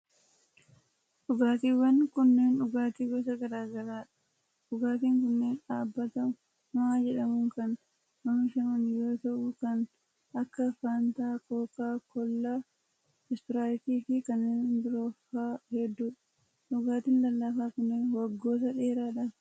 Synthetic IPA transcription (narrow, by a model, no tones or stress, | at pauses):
ᶑʊɡaːt̪̬iːwɐnkʊnːeːnᶑʊɡaːt̪iːɡɔsɐɡɐɾaːɡɐɾaːᶑɐ̥ | ᶑʊɡaːt̪iːŋkʊnːeːnᶑaːbːɐt̪ɐmʊ | naːd͡ʒɛᶑɐmʊŋkɐn | mɐmʊʃɐmɐnjo̞ːt̪ɐʔʊkɐn | ʔɐkːɐfaːnt̪aːkoːkaːkɔlːaː | ɪst̪ɪɾaːlɪt̪iːfɪkɐnend̪ɪɾo̞ːfaːhɛd̪ːuːᶑɐ̥ | ᶑʊɡaːt̪iːnlɐlːaːfaːkʊnːeːnwɐɡːo̞ːt̪ɐᶑeːɾaːᶑɐ